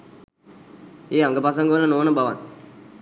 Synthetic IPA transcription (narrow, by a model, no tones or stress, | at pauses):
eːɐŋɡɐpɐsɐŋɡɐʋɐlːɐnoːnɐbɐʋa̰n